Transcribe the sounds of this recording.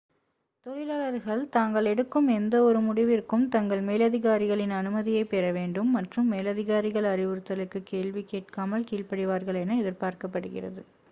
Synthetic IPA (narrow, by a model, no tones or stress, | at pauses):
t̪ɔɻɪlaːɭɐɾɣɐɭt̪aːŋɡɐɭɛɽɯkːɯmɛnd̪ɐɔɾɯmʊɽɪʋɪɾkːɯmt̪ɐŋɡɐɭmeːlɐðɪɣaːɾɪɣɐɭɪnɐnɯmɐðɪjɐɪpːeːɾɐʋeːɳɖɯmːɐʈrɯmːeːlɐðɪɣaːɾɪɣɐɭɐɾɪʋɯɾɯt̪ːɐlɯkːɯkːeːɭʋikːeːʈ̚kaːmɐɭkiːɭpɐɽɪʋaːɾɣɐɭɛnɐɛðɪɾpaːɾkɐpːɐɽɯɣɪ̰rɐ̰ðɯ